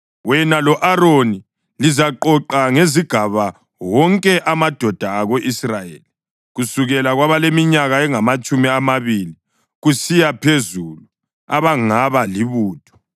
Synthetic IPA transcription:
wɛnalɔʔaɾoni | lizaǃɔǃaŋeziɡ̥ʱaβa | wɔŋkʼɛʔamad̥ʱɔd̥ʱaːɣoʔisrajḛli | ɣusuɣɛlaɣwaβalemiɲaɣaɛŋamat͡ʃʼumiamaβili | ɣusijapʰezulu | a̰βaŋaβaliβuːtʰɔ̥

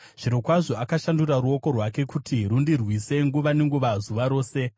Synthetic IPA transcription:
ʐ̥iɾo̞kwaʐo̞akaʃanduraɾuo̞ko̞rwake̞kutiɾundirwise̞ŋɡuʋane̞ŋɡuʋazuʋaɾo̞ːse̞

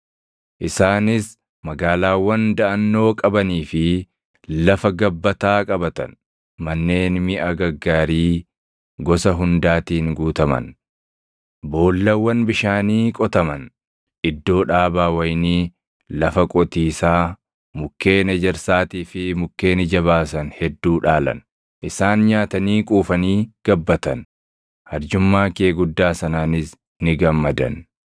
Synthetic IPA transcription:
ʔɪsaːnɪs | mɐɡaːlaːwːɐnd̪ɐʔɐnːo̞ːkʼɐbɐniːfɪ | lɐfɐɡɐbːɐt̪aːkʼɐbɐt̪ɐ̰n | mɐnːe̞ːnmɪʔɐɡɐɡːaːɾiː | ɡɔsɐɦʊnd̪aːt̪iːŋɡuːt̪ɐmɐ̰n | bo̞ːlːɐwːɐnbɪʃaːniːkʼɔt̪ɐmɐn | ʔɪd̪ːo̞ːᶑaːbaːwɐjniː | lɐfɐkʼɔt̪iːsaː | mʊkːe̞ːnɛd͡ʒɛɾsaːt̪iːfɪmʊkːe̞ːnɪd͡ʒɐβaːsɐnhɛd̪ːuːᶑaːlɐ̰n | ʔɪsaːnɲaːt̪ɐniːkʼuːfɐniːɡ̥ɐbːɐt̪ɐn | hɐɾd͡ʒʊmːaːkeːɡʊd̪ːaːsɐnaːnɪs | nɪɡɐmːɐd̪ɐ̰n

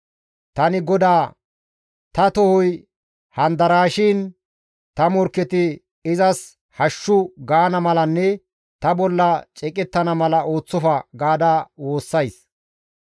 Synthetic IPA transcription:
t̪ɐnɪɡɔd̪aː | t̪ɐt̪ɔhʊj | hɐnd̪ɐɾaːʃɪːn | t̪ɐmɔɾkːɛt̪ɪ | ɪzɐs | hɐʃːʊɡaːnɐmɐlɐnːɛ | t̪ɐbɔlːɐt͡ʃʼɛkʼɛt̪ːɐnɐmɐlɐo̞ːt͡sːɔfɐɡaːd̪aːwo̞ːsːɐjs

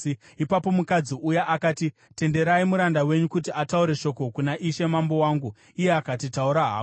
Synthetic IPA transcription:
ipapo̞mukad͡ziʔujaʔakaːti | te̞nde̞ɾaimuɾandawe̞ɲukut̬iʔatauɾe̞ʃo̞ko̞kunaʔiʃe̞mambo̞waːŋɡu | ije̞akatitauɾaɦa̰ː

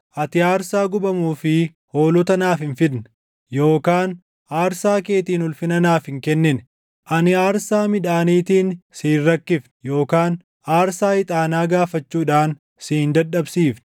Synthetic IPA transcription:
ʔɐt̪ɪaːɾsaːɡʊbɐmuːfɪ | ho̞ːlɔt̪ɐnaːfɪnfɪd̪n | jo̞ːkaːn | aːɾsaːke̞ːt̪iːnʊlfɪnɐnaːfɪŋkɛnːɪn | ʔɐnɪaːɾsaːmɪᶑaːniːt̪iːnsiːrːɐkːɪfnjo̞ːkaːn | ʔaːɾsaːhɪt̪ʼaːnaːɡaːfɐt͡ʃːuːᶑaːn | siːnd̪ɐɗːɐbsiːfn

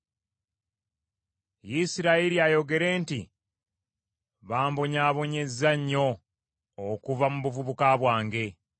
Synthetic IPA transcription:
jisiɾaiɾiajo̞ɡe̞ɾe̞ːnti | βaːmboɲaːβo̞ɲe̞zːaɲːo̞ː | kuvamuβuvuβukaβwaːŋɡe̞

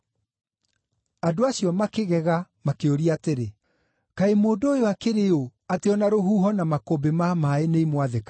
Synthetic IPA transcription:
adoaɕjɔmakeɣɛɣamakeoɾiateɾe | kaemoːdojoakeɾeoateɔnaɾoɦuɦɔnamakoːbemamaeneimwaðeka

